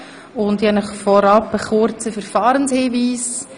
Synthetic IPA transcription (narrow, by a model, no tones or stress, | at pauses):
ʊndɛnəχfɔɾɑpəχʊɾt͡səfəɾfɑːɾənshiːviːs